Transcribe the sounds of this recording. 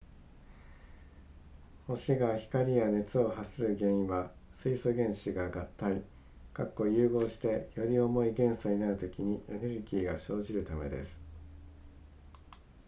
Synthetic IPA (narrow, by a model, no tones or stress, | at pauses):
ho̞ɕiɡaçi̥kaɾʲijane̞t͡sɨo̞ɦasɨɾɯ̟ɡẽ̞ɰ̃ĩβasɨisoɡẽ̞ɰ̃ɕiɡaɡat̪ːai | kakːo̞jɯ̟ːɡo̞ːɕi̥t̪e̞jo̞ɾʲio̞mo̞iɡẽ̞ɰ̃saɲ̟inaɾɯ̟t̪o̞kʲiɲ̟iʔe̞ne̞ɾɯ̟ɡʲiːɡaɕo̞ːʑiɾɯ̟t̪ame̞d̪e̞̰sɨ̥